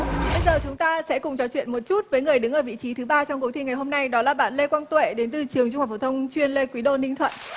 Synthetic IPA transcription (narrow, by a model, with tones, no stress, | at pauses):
ɓə˧jzəː˨˩t͡ɕʊ˨˦ŋ͡mt̪aː˧sɛ̰˧˥kʊ˨˩ŋ͡mt͡ɕɔ˨˦t͡ɕwḭ˧˨ənmo˨˩t̚t͡ɕu˦˥t̚vəː˨˦jŋɨ˨˩əjɗɨ˨˦ŋʔəː˧˩vḭ˧˨t͡ɕi˨˦t̪ʰɨ˨˦ɓaː˧t͡ɕɔ˧wŋ͡mku˨˦t̪ʰi˧˩ŋa˨˩jɦo˧mna˧jɗɔ˨˦laː˨˩ɓa̰ː˧˨nle˧kwaː˧nt̪wḛ˧˨ɗe˨˦nt̪ɨ˨˩t͡ɕɨ˨˩əŋt͡ɕʊ˧ŋ͡mhaː˨˩ft̪ʰə˧wŋ͡mt͡ɕwi˧ənle˧kwi˨˦ɗo̰˧˨nï˧ŋt̪ʰwə̰˧˨nʔ